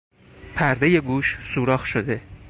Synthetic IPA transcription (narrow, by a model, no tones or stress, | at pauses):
pʰæɾd̪e̞je̞ɡuːʃsuːɾɒːxʃod̪e